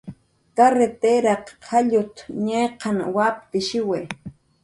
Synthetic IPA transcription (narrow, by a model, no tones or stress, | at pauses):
k̪aɾet̪eɾaqʰaʎʊt̪ɲejqɑnwap̚t̪ɪʃɪwe